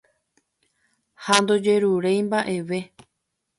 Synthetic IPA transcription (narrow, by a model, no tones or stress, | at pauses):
hand̪o̞d͡ʒe̞ɾuɾejmbaʔe̞ʋe̞